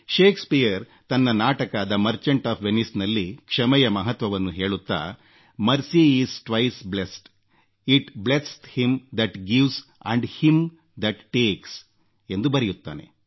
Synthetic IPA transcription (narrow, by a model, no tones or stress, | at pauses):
ʃeːkspijɐɾ | t̪ɐnːɐnaːʈɐkaːd̪ɐmɐɾt͡ʃɐɳʈaːpʰʋenisnɐlːikʂɐmɛjɐmɐɦɐt̪ʋɐʋɐnːuɦe̞ːɭut̪ːa̰ː | mɐɾsiiːsʈʋɐjsblesʈ | iʈblesthimd̪ɐʈɡiʋsɐ̰ɳɖhim | d̪ɐʈːeːks | e̞nd̪ubɐɾɛjut̪ːa̰ːne̞̰